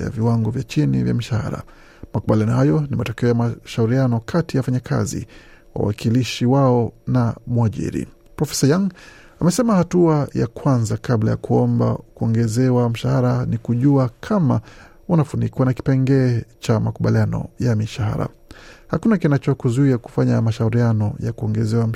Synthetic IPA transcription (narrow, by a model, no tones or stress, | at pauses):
ja̰viwaŋɡɔvjat͡ʃinḭvja̰miʃaha̰ɾa̰ | makuɓalianɔhajɔnimatɔkɛɔjamaʃauɾianɔkʰatijawafaɲakʰa̰zḭ | wa̰wa̰kiliʃiwaɔnamuaʄḭɾḭ | pɾɔfɛ̥sajaŋ | amɛsɛmahatuaja̰kwanzakabla̰ja̰kuɔmba̰kuɔŋɡɛzɛwam̩ʃahaɾanikuʄuakʰama | unafunikwanaki̥pɛŋɡɛːt͡ʃamakuɓalianɔ̰jamiʃaha̰ɾa̰ | hakunakinat͡ʃɔkuzuiaku̥faɲamaʃauɾianɔjakuɔŋɡɛzɛwa